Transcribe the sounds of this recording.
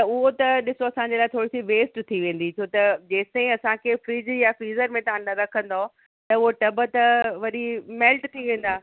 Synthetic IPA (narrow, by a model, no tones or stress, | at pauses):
t̪ɐʊɦot̪ɐɗɪsoɐsãːɲd͡ʑelaːɪt̪ʰoːɽisiʋeːsʈt̪ʰiʋẽːn̆d̪it͡ɕʰoːt̪ɐd͡ʑeːseĩɐsãkʰeːfɾiːzjafɾiːzəɾmẽt̪ɐãñnd̪aɾɐkʰə̃nd̪o | t̪ɐʊɦoʈɐbət̪ɐʋɐɗimɛːlʈt̪ʰiʋẽːn̆d̪aː